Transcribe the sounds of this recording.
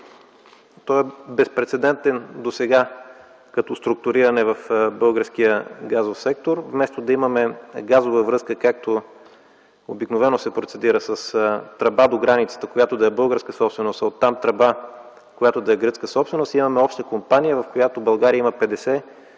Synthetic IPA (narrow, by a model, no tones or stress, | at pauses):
t̪ɔɛbɛspɾɛt̪sɛd̪ɛnt̪ɛnd̪osɛɡa | kɐt̪ɔst̪ɾuk̚t̪ʊɾiɾɐnɛvɐfbɤlˠɡəɾsk̟ijəɡazofsɛk̚t̪oɾvmɛst̪od̪ɐimɐmɛɡazovəvɾɤskəkak̚t̪o | obiknovɛnosɛpɾot̪sɛd̪iɾəsəst̪ɾɐbad̪oɡɾanit̪sə̥t̪əkojat̪od̪ɐɛbɤlˠɡəɾskəsɔpst̪vɛnost̪ot̪ːamt̪ɾɐba | kojat̪od̪ɐɛɡɾɤt̪skəsɔpsvɛnost̪imɐmɛɔpʃt̪əkompanijəvɐfkojat̪obɐlˠɡaɾiəiməpɛd̪ɛsɛ